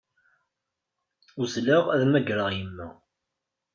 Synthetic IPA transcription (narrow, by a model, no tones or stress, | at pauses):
uslæʁæðmæɡɾəʁjəmːæ̰